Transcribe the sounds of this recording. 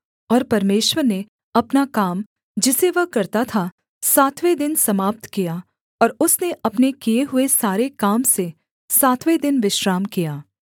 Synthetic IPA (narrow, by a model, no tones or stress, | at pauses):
ɔːɾpɐɾmeːʃwəɾne | ɐpnakaːm | d͡ʒɪseʋɐɦkɐɾt̪at̪ʰa | saːt̪ʰʋed̪ɪnsɐmaːp̚t̪kija | ɔːɾʊsneʔɐpnekijeɦʊesaːɾekaːmse | saːt̪ʰʋed̪ɪnʋɪʃɾaːmkijaː